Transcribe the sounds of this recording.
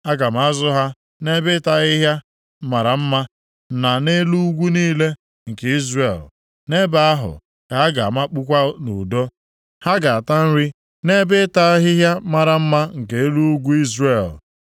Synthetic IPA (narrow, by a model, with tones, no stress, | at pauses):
a˦ɡa˨m̩˨˦a˦zʊ˦ɦa˦ | ne˦bɪ˦ta˦ɣɪ˦ɦja˦ | ma˨ɾa˨m̩˦ma˦ | na˨ne˦lu˦u˦ɡʷu˦niː˦le˦ | ŋ̩˨ke˨˦i˦zre˨l | ne˦ba˨a˦ɦʊ̰˨ | ka˨a˦ɡa̰˨ma˦k͡pu˦kʷa˦nṵ˨do˦ | ha˦ɡa˨a˨ta˦n̩˦ɾi˦ | ne˦bɪ˦ta˦ɦɪ˦ɦja˦ma˨ɾa˨m̩˦ma˦ŋ̩˨ke˨e˦lu˦ɡʷu˦i˦zre˨l